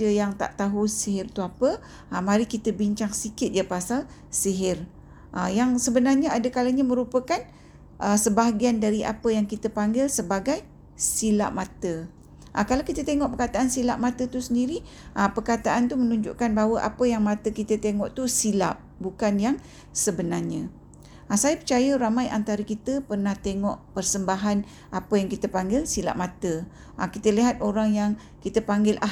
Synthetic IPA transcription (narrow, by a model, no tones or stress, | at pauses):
əjaŋt̪a̰ʔt̪aɦusiɦɪrt̪uapə | əmaɾikit̪əbiɲt͡ʃaŋsikɪt̪̚d͡ʒəpasal | siɦɪr | ʔəjaŋsəbənarɲaadakalaɲamə̃ɾupəkan | ʔəsəbaɦaɡiandaɾiʔa̰pəjaŋkit̪əpaŋɡɪlsəbaɡaj | sila̰ʔmat̪ə | ʔəkalawkit̪ət̪eŋɔʔpərkat̪aʔansilaʔ̚mat̪ət̪usəndiɾi | ʔəpərkat̪aʔant̪umə̃nũɲd͡ʒṵʔkanbaɦwəʔa̰pəjaŋmãt̪əkit̪ət̪eŋɔʔt̪usila̰ʔ | bukanjaŋ | səbənarɲə̃ | ʔasajəpərt͡ʃajəɾamãjant̪aɾəkit̪əpərnaht̪eŋɔʔpərsəmbaɦan | ʔapəjaŋkit̪əpaŋɡɪlsila̰ʔmat̪ə | ʔakit̪əliɦat̪̚oɾaŋjaŋ | kit̪əpaŋɡɪlʔa